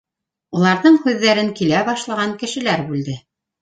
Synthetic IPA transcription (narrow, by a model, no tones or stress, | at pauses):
ulˠɑɾðɤɴhʉðːæɾɘŋkilæbɑʃlˠɑʁɑŋkɘ̆ʃɘ̆læɾbʉld̪ɘ